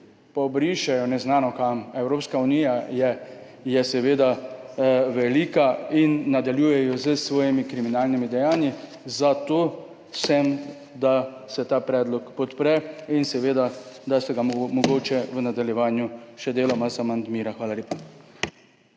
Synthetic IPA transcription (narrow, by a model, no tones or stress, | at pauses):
pɔbɾiʃɛjɔnɛznaːnɔkamɛwɾoːpskaunijajɛ | jɛsɛʋeːd̪a | ʋɛliːkainːad̪aljuːjɛjɔzəsʋɔːjimikɾiminaːlnimid̪ɛjaːnji | zat̪oː | sɛm | d̪a | sɛt̪aːpɾɛːd̪lɔkpɔt̪pɾɛinsɛʋeːd̪ad̪asɛɡamɔɡoːt͡ʃɛʋənad̪aljɛʋaːnjuʃɛd̪eːlɔmazamand̪miːɾaxʋaːlaleːpa